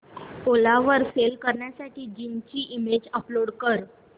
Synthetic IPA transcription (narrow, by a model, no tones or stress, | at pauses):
olaʋəɾfelkəɾɳjasaʈiːd͡ʑint͡ɕiːʔimed͡ʑəploɽkəɾ